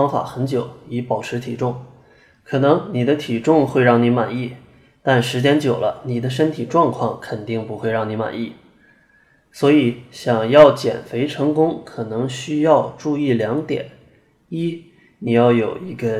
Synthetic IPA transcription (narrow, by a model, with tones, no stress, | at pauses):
ɑ˥ŋfa̰˨˩xə˧˥nt͡ɕjo˨˩˦ʊi˧˥pɑ˨˩ʊʈ͡ʂʰɻ̩˧˥t̪ʰi˨˩ʈ͡ʂʊ˥˩ŋ | kʰɤ˨˩nɤ˧˥ŋni˨˩d̪ə˦t̪ʰi˨˩ʈ͡ʂʊ˥˧ŋxwe˥˧ɪɻɑ˥˩ŋni˧˥ma˨˩ni˥˩ | t̪a˥˩nʂɻ̩˧˥t͡ɕjɛ˥nt͡ɕjo˨˩ʊlə˦ni˨˩d̪ə˦ʂ̬ə˥nt̪ʰi˨˩ʈ͡ʂwɑ˥˧ŋkʰwɑ˥˩ŋkʰə˨˩nt̪i˥˩ŋpu˧˥xwe˥˧ɪɻɑ˥˩ŋni˧˥ma̰˨˩ni˥˩ | swɔ˧˥i˨˩˦ɕjɑ˨˩ŋjɑ˥˩ʊt͡ɕjɛ̰˨˩nfe˧˥ɪʈ͡ʂʰɤ˧˥ŋkʊ˥ŋkʰɤ˨˩nɤ˧˥ŋɕy˥jɑ˥˧ʊʈ͡ʂu˥˧i˥˩ljɑ˧˥ŋt̪jɛ̰˨˩˦n | i˥ | ni˨˩jɑ˥˩ʊjo˨˩ʊi˧˥ɡə˧